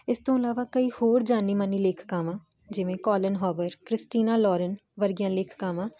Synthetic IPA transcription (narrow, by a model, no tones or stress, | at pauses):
ɪst̪õːɪlaːʋaːkəiːhoːɾd͡ʒaːniːmaniːleːkʰkaːmãː | d͡ʒɪʋẽːkɔːlənɦɔːʋəɾkɾɪsʈiːnaːlɔːɾənʋəɾɡijãːlɪːkʰkaːmãː